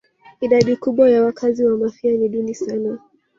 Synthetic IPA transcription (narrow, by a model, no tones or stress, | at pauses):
iɗaɗikuɓwajawakʰaziwamafianiɗunisana